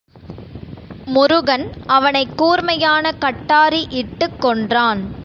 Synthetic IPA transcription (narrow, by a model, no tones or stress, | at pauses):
mʊɾʊɣɐnɐʋɐnɐɪkːuːɾmɐjaːnɐkɐʈːaːɾiʔɪʈːɯkːɔɳdraːn